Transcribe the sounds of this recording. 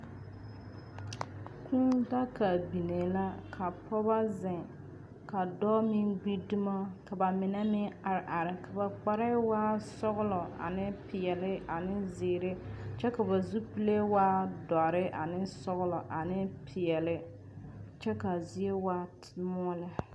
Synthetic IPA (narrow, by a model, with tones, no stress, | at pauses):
kʰu˦nda˦ka˨bi˨ne˨la˦kʰa˨pʰɔ˦ba˦zɪ˨ | ka˨dɔ˦mɪ˦ɡ͡bi˦du˦ma˦ka˨ba˨mɪ˨na˦mɪ˦a˨ɾɪ˨ʔa˨ɾɪ˨ka˨ba˨k͡pa˨ɾɛ˦waː˦sɔ˦ɣʊ˦lɔ˨a̰˨nɪ˦pɪ˨ɛ˨lɪ˦a˨nɪ˦zɪː˨ɾe˦t͡ʃɛ˦ka˨ba˨zu˦pi˦le˦waː˦da˨ɾɪ˦ʔa̰˨nɪ˦sɔ˦ɣʊ˦lɔ˨ʔa˨nɪ˦pʰɪ˨ɛ˨lɪ˦ | t͡ʃɛ˦ka˨zɪ˦e˦waː˦tmɔ˦ɔ˦lɪ˦